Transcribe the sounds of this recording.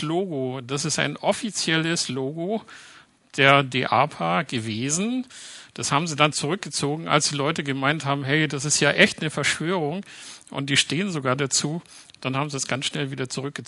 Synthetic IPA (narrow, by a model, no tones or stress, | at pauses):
loːɡod̥asɪsta̰ɪnʔɔfit͡sjɛləsloːɡo | d̥eːɐdeʔa̰ːpʰaɡ̥əveːzn̩d̥ashaːbm̩ziːdant͡suʁʏk̚ɡ̥ət͡soːɡŋ̩ʔa̰lsd̥iːlɔʏtəɡəmaɪnthaːbm̩ɦɛɪd̥asɪstjaːʔɛçtnəfɛɐʃv̥øːʁʊŋʔʊ̰nt̚d̥iːʃteːənzoɡaːɐdat͡suːd̥anhaːbm̩zidasɡ̥ansʃnɛlviːdɐt͡suʁʏk̚ɡ̥ə